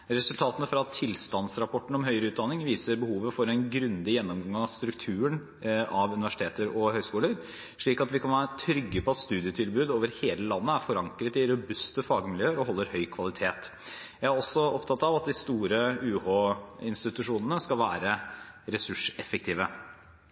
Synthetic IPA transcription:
ɾɛsʉlt̪ʰɑːt̪ənəfɾɑt̪ʰɪlst̪ɑnsɾɑpʰɔʈːɳ̩ɔmɦœʏɾəʉːt̪d̪ɑnːɪŋʋiːsəɾbəhuːʋəfɔɾɛnɡɾʉnd̪ɪjɛnːɔmɡɑŋɡɑŋɑʋst̪ɾʉkt̪ʰʉːəɳ | ɑʋʉnɪʋæʂɪt̪ʰeːt̪əɾɔhœʏskuːləɾ | ʂɭiːkɑt̪ʋɪkʰɑnʋæːɾət̪ʰɾʏɡːəpɔɛt̪st̪ʉːd̪ɪət̪ʰɪlbʉːd̪oːʋəɾheːləlɑnːəæɾfɔɾɑŋkɾət̪ɪɾʉbʉst̪əfɑɡmɪljøːəɾɔɦɔlːəɾhœʏkʰʋɑlˠɪt̪ʰeːt̪ | jæɪæɾɔsɔɔpt̪ʰɑt̪ːɑʋɑt̪̚d̪ɪst̪uːɾəʉːhoːɪnst̪ɪt̪ʉʂuːnənəskɑlʋæːɾəɾɛsʉʂɛfək̚t̪ʰiːʋə

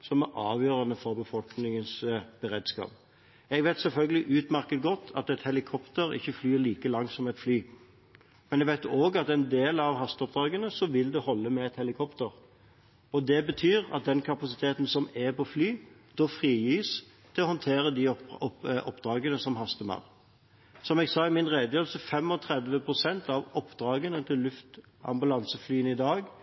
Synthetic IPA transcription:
sɔmæɾʔɑːʋjøːɾɑnəfɔʁbəfɔlknɪŋənsb̥əɾeːd̪skɑ̰ːp | ɛɡʋæɪt̪sɛlfœlɡəlɪʔʉːt̪mæʁkət̪̚ɡɔt̪ʰːɑ̰t̪ɛt̪hɛlɪkʰɔpt̪əɾɪ̰çːəflyːliːkəlɑŋsɔmɛt̪flyː | mɛnɛɡʋæɪt̪oːɡɑt̪ɛnd̪eːlɑʋɦɑst̪ɔp̚d̪ʁɑːɡənəsɔʋɪld̪ɛhɔlːəmɛɛt̪hɛlɪkʰɔpt̪əʁ | ɔd̪ɛbət̪ʰyːɾɑ̰t̪̚d̪ɛnkʰɑpɑsɪt̪ʰeːt̪n̩sɔmɛpʰɔflyːd̪̥oːfʁiːjyːs | t̪ʰɪɔhɔnt̪ʰeːɾəd̪ɪɔʔɔpːd̪ɾɑːɡənəsɔmɦɑst̪əmɑ̰ʊʁ | sɔmɛɡsɑːɪmɪnʁeːd̪jøːlsəfɛmɔt̪ʰɾɛd̪ʋəpʰʁʊsɛnt̪ɑʋɔpːd̪ɾɑːɡənət̪ʰɪlːʉft̪ | ɑ̰mbʉlɑnsəflyːənɪd̪ɑːɡ

